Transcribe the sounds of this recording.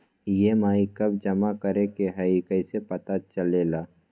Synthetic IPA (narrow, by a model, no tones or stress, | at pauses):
jemaːikəb̚d͡ʒɐmakəɾekeɦɛikəisepɐt̪at͡ʃəleːlaː